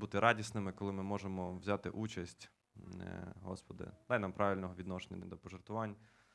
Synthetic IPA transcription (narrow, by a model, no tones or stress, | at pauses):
but̪ɪɾɑdʲisnɪmɪkɔlˠɪmɪmɔʒemɔwzʲat̪ɪ̰ʔut͡ʃɐsʲtʲ | ɦɔ̰spɔd̪ɪ̰d̪ɑjnɑmpɾʔɑʋʲilʲnɔɦɔʋʲid̪nɔʃenʲɐ̰d̪ɔpɔʒert̪ʊʋɑnʲ